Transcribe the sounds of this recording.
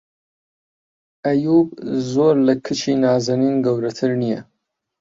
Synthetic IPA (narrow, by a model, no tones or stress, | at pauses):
ʔɐjuːbzoːɾlɐkʰɨt͡ʃʰiːnaːzɐniːnɡɐwɾɐt̪ʰɨɾnijɐ